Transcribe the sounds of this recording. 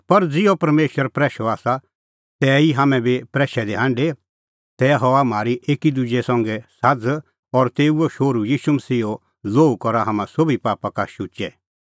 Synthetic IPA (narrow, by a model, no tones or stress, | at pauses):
pɐɾd͡zɪopɐɾmeːʃwəɾpɾɛːʃɔaːsa | t̪ɛiɦaːmɛ̃bipɾɛːʃɛd̪eɦãːɳɖe | t̪ɛɦɔamaːɾiʔeːkid̪ud͡ʒɛsɐ̃ŋɡɛsad͡z | ɔɾt̪eːuoʃoːɾujiːʃumɐsiːɦo | loːukɔɾaɦamãsobipaːpakaʃuːt͡ʃɛ